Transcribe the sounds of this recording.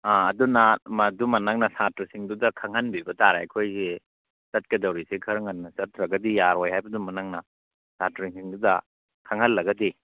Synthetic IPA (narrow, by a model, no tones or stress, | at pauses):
aːdunɐmɐdumɐnaŋnɐsatɾɐsiŋdudɐkʰaŋɦhɐnbibɐtaɾajkʰojse | sɐt̚kɐdɐwɾisekʰɐɾŋɐnːɐsɐtɾɐɡɐdijaɾojhajbɐdumɐnaŋnɐ | satɾiŋsiŋdudɐ | kʰaŋhɐlːɐɡɐdi